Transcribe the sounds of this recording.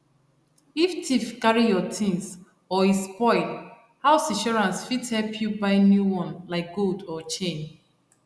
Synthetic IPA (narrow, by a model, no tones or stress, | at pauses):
iftʰifkaɹijɔtʰĩns | ɔispɔ̃ɪ̃t | haʊsĩʃɔɹãnsfithɛlpʰjubaɪnjuwɔ̃nlaɪk̚ɡ̥oldɔt͡ʃẽn